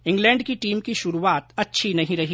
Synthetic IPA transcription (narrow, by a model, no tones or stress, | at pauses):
ɪ̃ŋɡlɛ̃ːɳɖkiʈiːmkiʃʊɾuaːt̪ɐtːʃʰinɐɦĩɾɐɦi